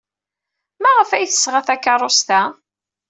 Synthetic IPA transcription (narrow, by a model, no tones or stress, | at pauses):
mæʁəfæjθə̥sːʁaθækːɑrˤost̪æ